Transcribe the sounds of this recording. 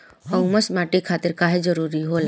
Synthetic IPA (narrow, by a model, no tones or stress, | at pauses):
ɦɔ̃wməsmaʈikʰaːt̪ɪɾkaɦed͡ʒəɾuɾiɦoːla